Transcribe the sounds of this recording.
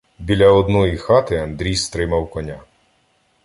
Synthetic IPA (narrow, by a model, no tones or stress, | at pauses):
bʲilʲɐɔd̪nɔjixɑt̪ɪɐnd̪ɾʲijst̪ɾɪmɐwkɔnʲa